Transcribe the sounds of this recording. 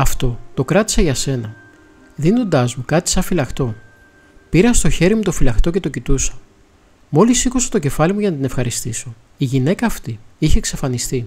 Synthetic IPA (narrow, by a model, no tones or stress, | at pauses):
ɐft̪o̞t̪o̞kɾɐt̪i̥sɐʝɐse̞nɐ | ðino̞nd̪ɐzmukɐt̪i̥sɐfilɐxt̪o̞ | piɾɐst̪o̞çe̞ɾimut̪o̞filɐxt̪o̞ce̞t̪o̞cit̪usɐ̥ | mo̞lisikusot̪o̞ce̞fɐlimuʝɐnɐt̪ine̞fxɐɾist̪iso̞ | iʝine̞kɐːft̪iiçe̞ksɐfɐnist̪i